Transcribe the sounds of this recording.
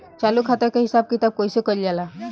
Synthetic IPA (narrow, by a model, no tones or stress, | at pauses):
t͡ɕaluːkʰat̪əɾkaɦisab̚kit̪ab̚kõjsekəɾd͡ʑala